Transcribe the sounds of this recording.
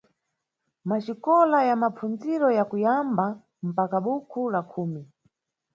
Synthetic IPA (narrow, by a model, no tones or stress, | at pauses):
mat͡ʃikɔlajamap͡fʰund͡ziɾɔjakujamba | m̩pakaɓukʰulakʰuːmi